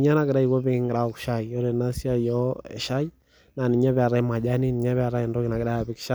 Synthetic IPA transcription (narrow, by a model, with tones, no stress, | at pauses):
ɲa˦na˨ke˨ɗa˦i˨ɣɔ˦βe˦ŋɡɾa˨ɔ˨ku̥˨ʃa˦i˨ɔ˦ɾɛ˨na˦si˦a˦jɔɛ̰˨ʃa˦i˦ | na˨ni˨ɲa˦βɛ˨a˨ɾa˦ma˨ʄa˦ni˦ni˨ɲa˦βɛ˦a˨ɾa˦ɛ˨ndɔ˦ki˨na˨kɛ˨ɗa˦ja˨βi˨ki̥˨ʃa˦